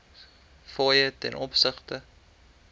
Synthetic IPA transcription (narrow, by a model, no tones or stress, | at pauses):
fɑːjətɛ̰nʔɔpsəχtə